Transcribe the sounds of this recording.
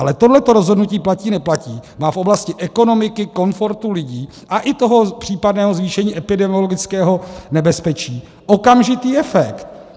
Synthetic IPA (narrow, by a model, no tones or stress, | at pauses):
ʔalɛt̪odlɛt̪o̞ɾo̞zɦo̞dnuciːplaciːnɛplaciːmaːfʔo̞blascɪʔɛko̞no̞mɪkɪko̞nfo̞ɾt̪ulɪɟiː | ʔaʔɪt̪o̞ɦo̞pr̝̥iːpadnɛːɦo̞zviːʃɛɲiːʔɛpɪdɛmiolo̞ɡɪt͡skɛːɦo̞nɛbɛspɛt͡ʃiː | ʔo̞kamʒɪt̪iːʔɛfɛkt̪̚